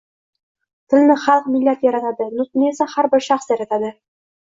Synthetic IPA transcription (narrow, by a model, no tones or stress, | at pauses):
t̪ɘ̆lnɘχɑlˠqmilːæt̪jɒɾɑt̪ɑd̪ɤnut̪nijæsæχæɾbɘɾʃɑχsjɒɾɑt̪ad̪ɤ